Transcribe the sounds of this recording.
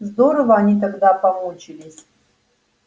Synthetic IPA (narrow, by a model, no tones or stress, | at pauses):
zd̪oɾəvəɐnʲit̪̬ɐɡd̪apɐmut͡ɕɪlʲɪsʲ